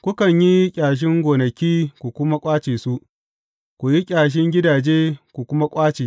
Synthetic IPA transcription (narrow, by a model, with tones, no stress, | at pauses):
kʷʊ˦kɐ˨ɲji˦kʲʼaː˨ʃ̬ɪ˦ŋɡʷoː˨nɐ˨kʲiː˦kʷu˨kʷʊ˦ma˦kʷʼaː˦t͡ʃeː˨su˦ | kʷu˨ji˦kʲʼaː˨ʃ̬ɪ˦ŋɡʲɪ˦daː˨d͡ʒeː˦kʷu˨kʷʊ˦ma˦kʷʼaː˦t͡ʃeː˨